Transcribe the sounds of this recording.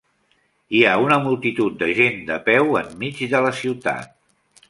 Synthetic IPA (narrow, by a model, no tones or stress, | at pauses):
iaunəmulˠt̪it̪ut̪̚d̪əʒend̪əpɛwəmːid͡ʒðələsiwt̪a̰t̪̚